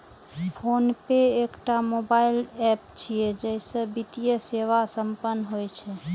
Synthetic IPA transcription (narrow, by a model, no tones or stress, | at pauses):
pʰonpeekʈamobailɛp̚t͡ʃʰijed͡ʒɛsə̃bit̪ijəseʋasəmpənːɦojt͡ʃʰɛ